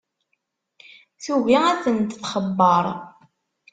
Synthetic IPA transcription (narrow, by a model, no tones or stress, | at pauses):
θuviæθənt̪θχəbːəɾˤ